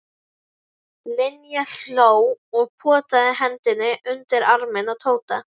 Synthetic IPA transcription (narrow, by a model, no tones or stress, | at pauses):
lɪnjaɬoːwɔɣpʰɔːt̪aðɪɦɛnt̪ɪnːɪʔʏnt̪ɪɾaɾmɪnat̪ʰoːwt̪a